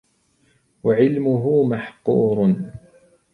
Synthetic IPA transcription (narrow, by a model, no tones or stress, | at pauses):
waʕɪlmʊɦʊːmaħquːɾ